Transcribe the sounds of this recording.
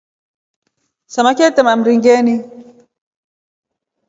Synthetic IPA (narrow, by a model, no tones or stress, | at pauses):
samakɛtɛmam̩ɾiŋɡɛni